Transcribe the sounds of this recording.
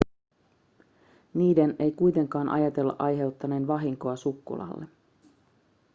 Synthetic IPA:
niːdene̞jkujt̪e̞ŋkɑːnʔɑjɑt̪e̞lːɑ̰ʔɑjɦe̞uwt̪ːɑne̞ːnʋɑɦiŋko̞ɑsukːṵlɑ̰lːe

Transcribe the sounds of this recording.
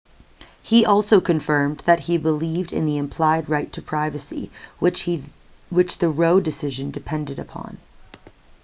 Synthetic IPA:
hiʔɔlˠsoʊkʰɨ̃ɱfɜ̃˞mðɨt̚hibəlivdɨ̰̃nðiɨ̃mpʰl̥aɪd̚ɹaɪtʰɨpʰɹ̥aɪvɨsḭ | wɨt͡ʃðɨɹoʊdɨsɪʒɨ̃ndɨpʰɛ̃ndɨɾɨpʰɑ̰̃n

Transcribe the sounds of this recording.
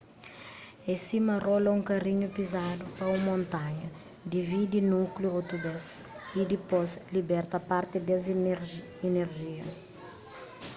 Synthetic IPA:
ẽsimɐrolɐũŋkɐriɲupizad̪upɐũmõnt̪aɲɐ | d̪ivid̪inukljuawt̪ubɐs | id̪ipozlibɛɾt̪ɐpaɾt̪ɪd̪ɐz | ineɾʒiɐ

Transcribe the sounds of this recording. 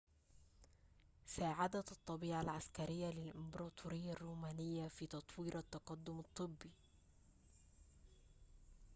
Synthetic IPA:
saːʕad̪at̪ˤːɑbiːʕalʕaskæɾɪjːalɪlʔɪmbɑɾˤɑːt̪ʰˤuɾɪjːarːuːmæːnɪjːafiːt̪ɑt̪ˤwiːɾʔat̪ːɑqɑd̪ːʊmɑt̪ˤːɨbːi

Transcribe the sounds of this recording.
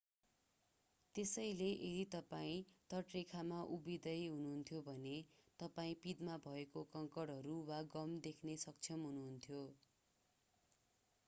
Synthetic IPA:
t̪esʌjleʔeɾit̪ʌpaĩt̪ʌʈrikʰamaʔubid̪ʌjɦunuɦunt̪ʰjobʱʌnet̪ʌpaĩpid̪mabʱʌekokʌŋkʌɽɦʌɾuwaɡʌmd̪ekʰnesʌk̚t͡sʰʌmɦunuɦunt̪ʰjo

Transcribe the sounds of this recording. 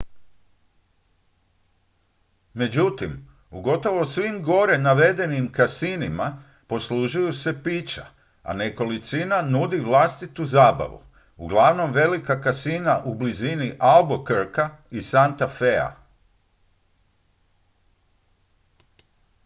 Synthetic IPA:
me̞d͡ʑut̪im | uɡo̞t̪o̞ʋo̞sʋimɡo̞ɾe̞naʋe̞d̪e̞nimkasinima | po̞sluʒujuse̞piːt͡ʃa̰ | a̰ne̞ko̞lit̪sinanud̪iʋlast̪it̪uzaːba̰ʋṵ | uɡlˠaʋno̞mʋe̞likakasinaʔubliziniʔalˠbokɾkaisant̪afea̰

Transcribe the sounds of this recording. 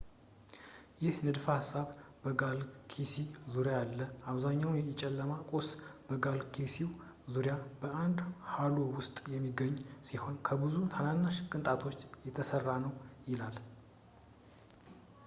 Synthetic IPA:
jɪhnɨd̪fəhasːaβbəɡalkʰisizuɾjajalːəaβzaɲːawnjɛɪt͡ʃʼɛlːəmakʼosb̥əɡalkʰisiw | zuɾjabəʔand̪halo̞wʊst̪ʼjɛmːiɡəɲːsiho̞nkʰəbɨzut̪ʰananːaʃkʼɨnt̪ʼat̪ʰo̞t͡ʃːjɛt̪ʰəsərːanəwjɪlal

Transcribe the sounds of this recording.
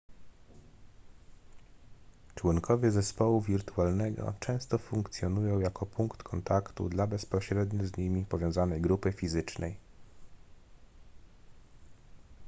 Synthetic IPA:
t͡ʂwuŋkʰɔvʲjɛzɛspɔwuvʲiɾt̪ualnɛɡɔ̰t͡ʂɛ̃w̃st̪ɔfuŋkt̪sʲjɔnujɔ̃w̃jakɔpuŋkt̪kʰɔnt̪akt̪ṵd̪labɛspɔɕɾɛd̪ɲuzɲimʲipɔvjɔ̃w̃zanɛjɡɾupɘfʲizɘt͡ʂnʔɛj

